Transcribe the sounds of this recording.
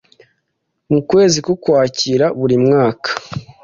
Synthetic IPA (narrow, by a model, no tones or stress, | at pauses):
mukwe̞ːzikukwaːciɾaβuɾimŋaːkḁ